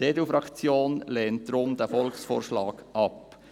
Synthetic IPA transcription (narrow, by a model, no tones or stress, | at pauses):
edufɾɑkt͡sjoːnlɛːnt̚d̪̥ɾʊmd̪æfɔlksfo̰ːɾʃlɑːɡ̥ʔɑp